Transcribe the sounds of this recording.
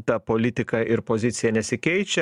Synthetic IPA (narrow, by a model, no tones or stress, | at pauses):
t̪ɐpoːlʲɪt̪ʲɪkɐʔɪɾpoːzʲɪt̪sʲɪjɛnʲɛsʲɪkʲɛɪt͡ʃʲɛ